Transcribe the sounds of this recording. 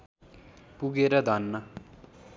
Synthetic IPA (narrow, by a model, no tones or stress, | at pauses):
puɡeɾʌd̪ʱʌnːʌ